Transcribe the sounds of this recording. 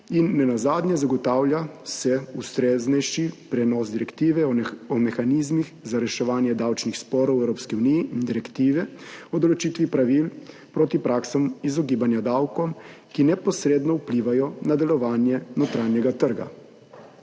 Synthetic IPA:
inːɛnazaːd̪njɛzaɡɔt̪aːwljasɛust̪ɾeːznɛjʃipɾɛnɔsd̪iɾɛkt̪iːʋɛɔɔmɛxanizmixzaɾɛʃɛʋaːnjɛd̪awt͡ʃnixspɔɾɔwɛwɾoːpskiunijiind̪iɾɛkt̪iːʋɛɔd̪ɔlɔt͡ʃiːt̪ʋipɾaʋil | pɾoːt̪ipɾaːksɔmizɔɡiːbanjad̪awkɔmkinɛpɔsɾeːd̪nɔupliːʋajɔnad̪ɛlɔʋaːnjɛnɔt̪ɾaːnjɛɡat̪əɾɡa̰

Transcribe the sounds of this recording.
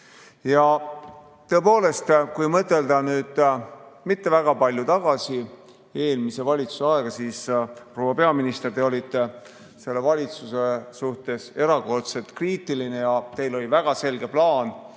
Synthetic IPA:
jɑ | t̪ɤ̞ːpo̞ːle̞st̪kujmɤt̪ːˑe̞ld̪ɑnyːd̪̥mit̪ːe̞væɡ̥ɑpɑlʲjut̪ɑɡ̥ɑsi | e̞ːlmise̞vɑlʲit̪su̥seɑeɡ̥ɑsiːspɾro̞wɑpe̞ɑminist̪e̞rt̪e̞o̞lʲit̪ːˑe | se̞lːe̞vɑlʲit̪susesuht̪e̞se̞ɾɑko̞rt̪se̞t̪kriːt̪ˑiline̞jɑt̪e̞jlo̞lʲivæɡ̥ɑse̞lɡ̥e̞plɑːn

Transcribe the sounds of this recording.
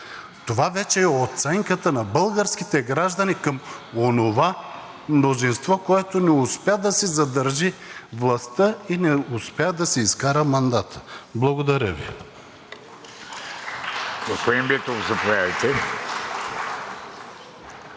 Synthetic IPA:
t̪ovavɛt͡ʃɛːot̪sɛŋkət̪ənɐbɤlˠɡəɾskit̪ɛɡɾaʒd̪ɐnikɐmonova | mnozinst̪vɔkoɛt̪onɛʊspad̪ɐsɛzɐd̪ɐɾʒivlˠɐst̪əinɛʊspɛad̪ɐsɛiskaɾəmɐnd̪at̪ʰə̥blˠɐɡod̪ɐɾʲəvḭ | ɡospod̪imbiɛt̪ovzɐpovʲjavɐjt̪ɛ

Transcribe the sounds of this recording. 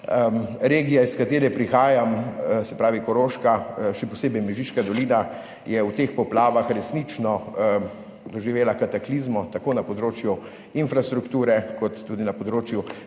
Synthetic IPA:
əɾeːɡijaiskat̪eːɾɛpɾixaːjamsɛpɾaːʋikɔɾoːʃkaʃɛpɔseːbɛjmɛʒiʃkad̪ɔliːna | jɛwt̪eːxpɔplaːʋaxɾɛsniːt͡ʃnɔ | d̪ɔʒiʋeːlakat̪aklizmɔt̪akoːnapɔd̪ɾoːt͡ʃju | infɾast̪ɾukt̪uːɾɛkɔt̪ːuːd̪inapɔd̪ɾoːt͡ʃju

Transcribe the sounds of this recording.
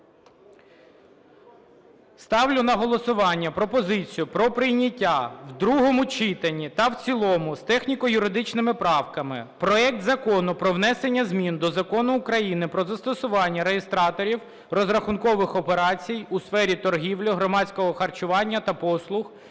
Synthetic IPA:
st̪ɑwlʲʊnɐɦɔlˠɔsʊʋɑnʲːɐpɾɔpɔzɪt͡sʲijʊpɾɔpɾɪjnʲɐtʲːawd̪ɾuɦɔmʊt͡ʃɪt̪ɐnʲːit̪ɐwt͡sʲilˠɔmʊst̪ɛxnʲikɔjʊɾɪd̪ɪt͡ʃnɪmɪpɾɑwkɐmɪpɾɔɛk̚t̪zɐkɔnʊpɾɔwnɛsenʲːɐzmʲind̪ɔzɐkɔnʊːkɾɐjinɪpɾɔzɐst̪ɔsʊʋɑnʲːɐɾeɦest̪ɾɑt̪ɔɾʲiw | rɔzrɐxʊnkɔʋɪxɔpeɾɑt͡sʲijusfɛɾʲit̪ɔrɦʲiwlʲɔɦɾɔmɑt͡sʲkɔɦɔxɐrt͡ʃʊʋɑnʲːɐt̪ɐpɔslˠʊx

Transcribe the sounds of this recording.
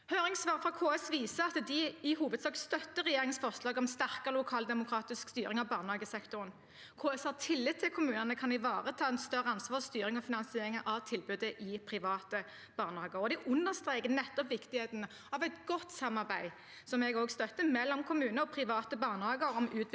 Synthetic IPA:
høːɾɪŋsʋɑːʁfʁɑkʰoːɛsʋiːsəɑt̪d̪ɪɪhuːʋəd̪sɑːk̪st̪œt̪ːəɾɛjeːɾʁɪŋən̩sfɔʁʂlɑːɡɔmst̪æʁkəʁlʊkʰɑːld̪ɛmʊkʰɾɑːt̪ɪskst̪yːɾʁɪŋɑʋbɑːʁnəhɑːɡəsɛkt̪ʊʁən | kʰoːɛshɑʁt̪ʰɪlːɪt̪t̪ʰːɪlkʰʊmʉːnənəkʰɑnɪʋɑːʁət̪ʰɑːɛnst̪œʁəɑnsʋɑːʁst̪yːɾɪŋɔfɪnɑnsɪeːɾɪŋəʔɑʋt̪ʰɪlbʉːd̪əʔɪpʰɾɪʋɑːt̪ə | b̥ɑːʁnəhɑːɡəɾɔd̪ɪʔʊnːəst̪ʁeːkənɛt̪ːɔpʋɪkt̪ɪheːt̪ənə | ɑʋɛɪt̪ɡɔt̪ːsɑmːɑʁbæɪ | sɔmɛɡoːɡst̪œt̪ːəmɛlːɔmkʰʊmʉːnəɔpʰɾɪʋɑːt̪əbɑːʁnəhɑːɡəɾɔmʉːt̪

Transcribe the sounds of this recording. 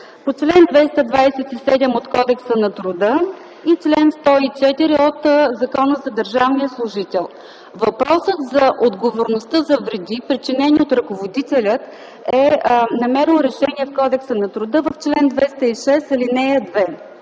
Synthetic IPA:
pot͡ʃlɛnd̪vɛst̪əd̪vajsɛt̪isɛd̪ɛmot̪kɔd̪ɛksənɐt̪ɾʊd̪ɤ | it͡ʃlɛnst̪ɔit͡ʃɛt̪iɾiot̪zɐkɔnəzɐd̪əɾʒavniəslˠʊʒit̪ɛlˠ | vɐpɾɔsət̪zɐʔod̪ɡovoɾnost̪əzɐvɾɛd̪ipɾit͡ʃinɛniot̪ɾɐkovod̪it̪ɛlʲət̪ | ɛnɐmɛɾilˠɾɛʃɛniɛfkɔd̪ɛksənɐt̪ɾʊd̪ɤvəft͡ʃlɛnd̪vɛst̪ɐiʃɛsɐlinɛəd̪vɛ

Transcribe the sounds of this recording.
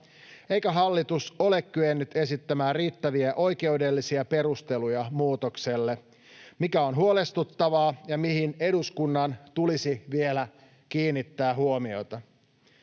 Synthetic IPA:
e̞jkæɦɑlːit̪uso̞le̞kkyenːyt̪e̞sit̪ːæmæːriːt̪ːæʋiæʔo̞jke̞ude̞lːisiæpe̞ɾust̪elujɑmuːt̪okse̞lːe | mikæo̞nɦuolest̪ut̪ːɑʋɑːjɑmihineduskunːɑnt̪ulisiʋielæ | kiːnːit̪ːæːɦuomio̞̰t̪ɑ

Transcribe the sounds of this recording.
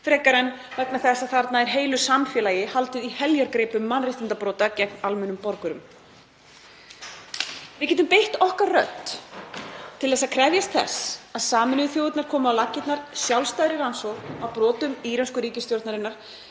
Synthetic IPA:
fɾɛːkaɾɛn | vɛknaθɛsaðθaɾt̪naɛɾɦeːjlʏsamfjɛːlajɪhalt̪ʏihɛljaɾkɾeːpʏmːanrɪht̪ɪnt̪apɾɔːt̪acɛknalmʏnʏmpɔɾkʏɾʏm | vɪðcʲɛːt̪̬ʏmpejht̪ɔhkarrœ̰t̪ | t̪ʰːɪlθɛs̬akʰɾɛvjast̪θɛ̰saðsaːmɪnʏʏθjowɪt̪naɾ̥kʰɔːmʏawlacːɪt̪naɾ̥sjawlst̪aðɾɪɾansɔɣawpɾɔːt̪ʏmiɾanskʏɾiːcɪst̪jowɾt̪naɾɪnːaɾ̥

